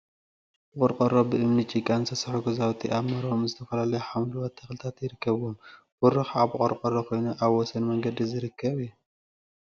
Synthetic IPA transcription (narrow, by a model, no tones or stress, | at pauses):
bqʼɔɾqʼɐɾobɨʔɨmnit͡ʃʼikʼansʰɐsɐħuɡɐzawt̪ʰiʔaβmɐɾomzɨt̪ʰɐfɐlalɐjuħamluwat̪ʰːɐxlɨt̪ʰat̪jɪɾɨkʰːɐβom | bʊɾɨxaβqʼɔɾqʼɔɾokʰo̞jnuʔaβwɔsɐnmɐŋɡɐd̪izɨɾɨkʰːɐβiu